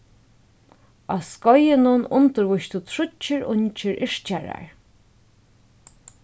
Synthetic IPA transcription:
askɔjɪnʊnʊnt̪əɹvʊʃt̪ʊt̪ʰɹʊt͡ʃːɪɹʊɲt͡ʃɪɹʔɪʂt͡ʃaɹa̰ɹ

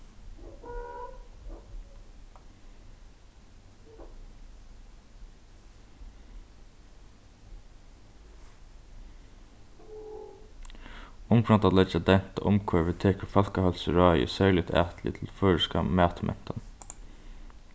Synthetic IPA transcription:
ʊmkʰɾɑnt̪ɑːt̪lɛd͡ʒɑd̪ɛn̥t̪a̰ʔʊmkʰɔːɹʋət̪ʰeːkəɹfɑlkəhɑlsəɹɑːɪə̰sæːlɪt̪ʰæ̰ːt̪ʰlɪ̰t̪ʰɪl̩fœːɹəskɑ̰mæːt̪əmɛ̰nt̪ɑn

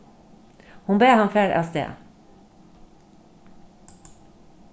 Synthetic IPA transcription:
hʊnbeːhɑmfeːɾʔɑ̰sd̪ḛː

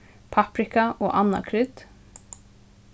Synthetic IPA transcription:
pʰɑpɾɪkaoːʔɑnɑ̰kʰɾʏd̪̥

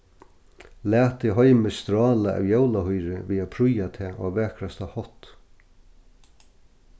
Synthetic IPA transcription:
læːt̪ɪɦɔʏməst̪ɾɑːlaʔa̰ːwjawlahɔjɾɪviːapʰɾʊjat̪ʰɛːʔɔːvɛːkɾast̪ahɔht̪

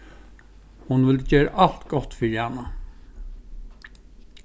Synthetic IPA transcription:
hʊnʋɪld͡ʒeːɾə̰ʔɑl̥t̪ɡ̥ɔt̪fʏjænə

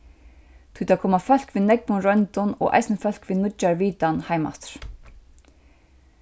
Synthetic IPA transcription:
t̪ʰujt̪akʰɔːmafœl̥kʋɪnɛkvʊnɾœnt̪ʊnɔ̰ɣʔa̰jsnɪfœl̥kʋɪnʊt͡ʃːaɹviːt̪anhajma̰t̪ɾ̥

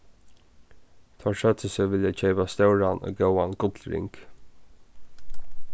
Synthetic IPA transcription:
t̪ʰaʂœt̪əsəʋɪljat͡ɕʰɛːpast̪œwɹanɔ̰ːjœwanɡʊt̪lɾɪ̰ŋk

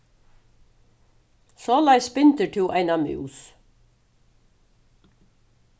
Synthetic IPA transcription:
sɔlaɪspɪnt̪əʈʰuːʔaɪnamʉ̰ːs

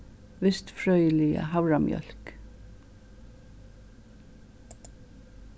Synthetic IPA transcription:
ʋɪst̪fɹœʏəlɪə̰hɑʊɹɑmjœ̰lk

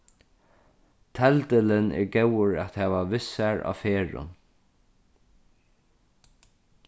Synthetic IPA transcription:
t̪ʰɛlt̪ɪlɪnɛ̰ɹɡɛwəɹæt̪hɛːʋaʋɪsaɹa̰ːfeːɹʊ̰n

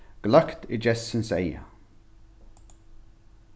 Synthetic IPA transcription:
ɡ̥lakt̪ɪd͡ʒɛsːɪnsɛ̰ja̰

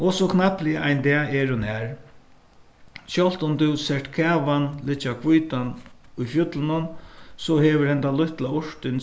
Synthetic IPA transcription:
ɔsɔkʰnaplɪəʔajnt̪ɛːɛɾʊnɛɾ | ʃjɔl̥t̪ʊmt̪ʊsɛʂʈkʰɛːʋanlɪt͡ʃːakʰvujːt̪anʊjfjʊt̪lɪnʊnsɔɦɛːʋəɾhɛnt̪alʊht̪laʊɹt̪ɪn

